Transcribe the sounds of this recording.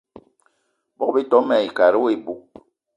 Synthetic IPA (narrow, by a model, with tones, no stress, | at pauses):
bɔ˦be˦tɔ˨˦mɛ˨i˨ka˨ɾi˦we˦˨bu˨˦